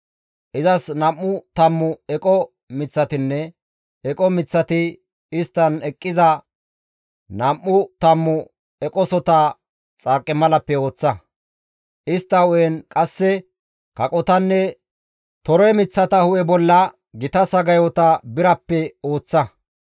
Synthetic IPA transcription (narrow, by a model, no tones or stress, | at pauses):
ʔɪzɐsnɐmːʊt̪ɐmːʊɛkʼɔ | mɪt͡sːɐt̪ɪnːɛ | ɛkʼɔmɪt͡sːɐt̪ɪ | ɪst̪ːɐnɛkʼːɪzɐ | nɐmːʊt̪ɐmːʊ | ɛkʼɔsɔt̪a | t͡sʼɐkʼːɪmɐlɐpːɛo̞ːt͡sːɐ | ʔɪst̪ːɐɔjɛnkʼɐsːɛ | kɐkʼɔt̪ɐnːɛ | t̪ɔɾɔjmɪt͡sːɐt̪ɐhʊʔɛbɔlːɐ | ɡɪt̪ɐsɐɡɐjɔt̪ɐbɪɾɐpːɛo̞ːt͡sːɐ